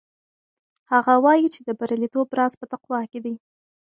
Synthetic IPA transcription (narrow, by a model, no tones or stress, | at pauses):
haɣawɑjit͡ʃed̪əbaɾalit̪obɾɑzpət̪aqwɑked̪i